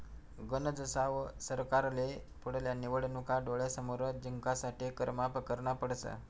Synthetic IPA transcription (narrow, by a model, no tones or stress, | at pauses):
ɡənəd͡zəsaʋsəɾkaɾle | puɽ̤ljaniʋəɽnukaɖoɭesəmoɾəd͡ʑiŋkasaʈikəɾmapəkəɾɳapəɽsə̰